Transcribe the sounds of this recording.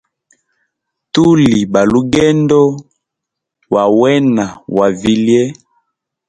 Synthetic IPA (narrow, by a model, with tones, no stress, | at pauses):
tu˦li˨ba˨lu˦ɡɛ˦ndɔ˦ | wa˨wɛ˦na˨wa˨vi˨ljɛ˦